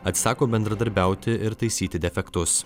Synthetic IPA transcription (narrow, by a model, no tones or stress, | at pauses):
ɐt̪ʲsɑːkoːbʲɛnd̪ɾɐd̪ɐɾʲbʲæˑʊt̪ʲɪʔɪɾt̪ɐɪsʲiːt̪ʲɪd̪ʲɛfʲɛkt̪ʊs